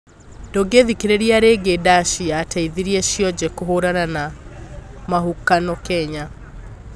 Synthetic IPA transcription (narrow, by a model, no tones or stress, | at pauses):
d̥oɡeðikeɾeɾiaɾeɡedaʃiatʰaiðiɾiɛʃjɔd͡ʑɛkoɦoɾanana | maɦukanɔkɛɲa